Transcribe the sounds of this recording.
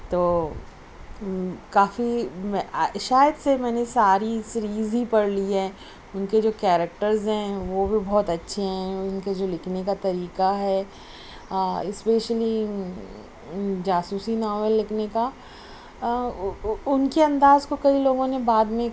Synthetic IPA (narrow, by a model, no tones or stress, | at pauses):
t̪oː | kaːfimɛʃaːjəd̪semɛːnesaːɾisɾiːzɦipɐɽliɦɛː | ʊnked͡ʒoːkɛːɾək̚ʈəɾzɦɛ̃ʋobʱibɔːt̪ɐtːʃʰeɦɛ̃ʊnked͡ʒoːlɪkʰnekat̪ɐɾiːkaɦɛː | ɪspeːʃəli | d͡ʒaːsuːsinaːʋəlːɪkʰneka | ʊnkeɐ̃nd̪aːzkokɐiloːɡõnebaːd̪mẽ